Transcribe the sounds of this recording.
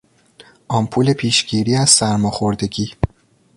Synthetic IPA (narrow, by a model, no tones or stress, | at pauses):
ʔɒːmpʰuːle̞pʰiːʃɟ̥iːɾiːæz̥sæɾmɒxoɾd̪e̞ɟiː